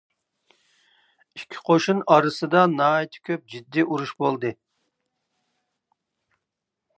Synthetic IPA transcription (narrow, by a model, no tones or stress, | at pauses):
i̥kʲʰːi̥qʰoʃunɑɾɨsɨd̪ɑnɑːit̪ʰɪ̥kʲʰøp̚d͡ʒid̪ːiʔuɾuʃbolˠd̪ɨ